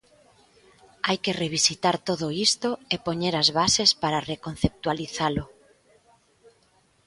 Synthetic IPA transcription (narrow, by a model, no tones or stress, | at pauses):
ajkereβ̞isit̪aɾt̪oðoist̪oepoɲeɾazβasespaɾarekonθep̚t̪waliθalʊ